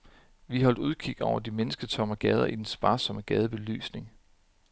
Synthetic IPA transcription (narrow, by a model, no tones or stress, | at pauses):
ʋiɦɒ̽l̰d̥uð̞ˠkʰiɡ̥ɒʊɐd̥imenəsɡ̥ət͡sʰɒ̽məɡ̥ɛð̞ˠɐ̰ʔid̥ensb̥ɑ̈ːsɒ̽məɡ̥ɛð̞ˠəb̥e̝ly̰ːsne̝ŋ